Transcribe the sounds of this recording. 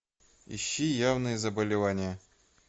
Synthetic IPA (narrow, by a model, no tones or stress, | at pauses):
ɪ̰ɕːijavnɨjəzəbəlʲɪvanʲɪjə